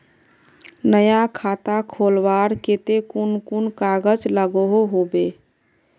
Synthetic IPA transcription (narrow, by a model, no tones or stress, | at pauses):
nəjakʰat̪akʰolʋaɾket̪ekunkunkaɡəd͡ʒləɡoɦoɦobe